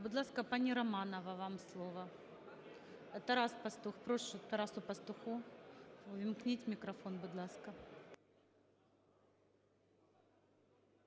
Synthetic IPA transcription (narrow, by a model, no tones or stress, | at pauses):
bɨd̪lˠaskəpɐnʲɪɾɐmanəvəvamslˠovɐ | ɛt̪ɐɾaspɐst̪uxpɾoʂʊt̪ɐɾasʊpɐst̪ʊxu | ʊvʲɪmknʲitʲmʲɪkɾɐfo̞nbʊd̪lˠaskɐ